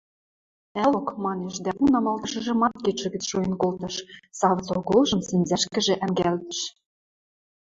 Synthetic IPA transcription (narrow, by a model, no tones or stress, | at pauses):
ælokmɑneʃd̪æʔunɑmɑlˠd̪ɤ̆ʃɤ̆ʒɤ̆mɑt̪̚ket͡ʃɤ̆ɣɘ̆t͡sʃojĕnkolt̪ɤ̆ʃsɑvt͡soɣolʒɤ̆msɘ̆nzæʃkɘ̆ʒĕʔæmɡælt̪ɘ̆ʃ